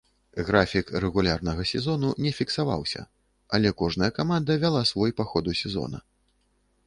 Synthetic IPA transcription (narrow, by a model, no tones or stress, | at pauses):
ɣɾafʲikrɛɣulʲarnɐɣɐsʲɛzɔnunʲɛfʲiksava̰wsʲɐ̰ | ɐlʲɛkɔʐnɐjɐkamand̪ɐvʲalˠasvɔjpaxɔd̪usʲɛzɔ̰nɐ̰